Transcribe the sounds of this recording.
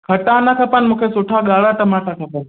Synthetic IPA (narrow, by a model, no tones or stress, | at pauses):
kʰəʈanakʰəpənmũːkʰesoʈʰaɠaːɭaːʈəmaːʈakʰapən